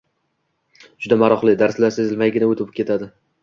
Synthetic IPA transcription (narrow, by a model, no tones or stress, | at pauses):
d͡ʒʊd̪amaɾɒχlˠɪd̪aɾslaɾsezɪlmajɡʲɪnaot̪ʰɪp̚kʲe̞t̪ʰad̪ɪ